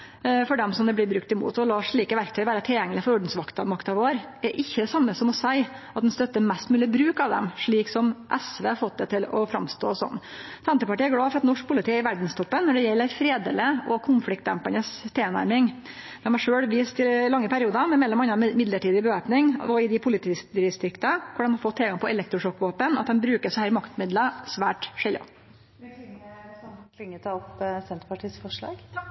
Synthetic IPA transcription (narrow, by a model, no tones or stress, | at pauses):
fɔɖɛmsɔmd̪ɛblɪɾbɾʉkt̪ɪmṵːt̪ɔlɑːʂɭiːkəʋæɾkt̪ʰœʏʋæːɾət̪ʰɪljɛŋəlɪfɔɾʊɖn̩sʋɑkt̪ɑmɑkt̪ɑʋoːɾæɾʔɪçːəd̪ɛsɑmːəsɔmɔsæɪɑt̪̚d̪ɛnst̪œt̪ːəmɛst̪mʉːlɪəbɾʉːkɑʋd̪ɛ̰mʂɭiːksɔmʔɛsʋeːhɑɾfɔt̪̚d̪ɛt̪ɪlɔ̰fɾɑ̰mst̪o̰ːsɔ̰nː | sɛnt̪əpɑʈiːæɾɡlɑːfɔɾɑt̪nɔʂk̚pʰʊlɪt̪ɪːəɾɪʋæɖn̩st̪ʰɔpːənːɔɖɛjɛlːəɾfɾeːd̪eːləɔkʰʊnflɪkt̪d̪ɛ̰mpənəst̪ʰeːnæ̰ɾmɪŋ | d̪̥ɛmhɑʂøːlʋiːst̪ɪlɑŋːəpæɾɪuːd̪əmɛmɛlːɔmɑnːɑmɪd̪ləʈiːd̪ɪbəʋæːpnɪŋɔɪd̪ɪpʰʊlɪt̪iːɪst̪ɾʏkt̪əkʰʊɖɛmhɑɾfɔt̪ʰːɪlɡɑŋpʰɔɛlɛk̚t̪ɾʊʂɔkːʋoːpənɑt̪̚d̪ɛmbɾʉːkəsɔhæːɾmɑkt̪mɪd̪lɑsʋæːʈʂɛlːə̰ | kʰɪŋːət̪ʰɑːɔpsɛnt̪əpɑʈʰiːsfɔʂɭɑ̰ːɡ